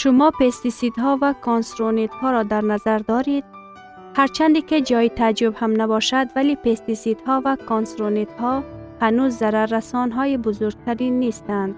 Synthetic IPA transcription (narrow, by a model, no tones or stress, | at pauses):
ʃumɔpest̪isid̪ɦɔvakʰonsɾonet̪hɔɾɔd̪aɾnazaɾd̪ɔɾid̪̥̚ | haɾt͡ʃʰand̪ikid͡ʒɔit̪ʰad͡ʒubhamnabɔʃad̪valipʰest̪isid̪hɔvakʰonsɾonet̪hɔhanuzːaɾaɾːasɔnɦɔibuzuɾɡ̚t̪ʰaɾinːest̪and̪